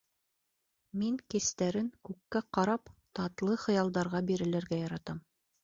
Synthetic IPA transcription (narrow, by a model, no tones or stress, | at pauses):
miŋkɘ̆st̪æɾɘŋkʉkːæqɑɾɑpt̪ɑt̪lˠɤχɤ̆jɑlˠd̪ɑɾʁɑbiɾɘ̆læɾɡæjɑɾɑt̪ɑm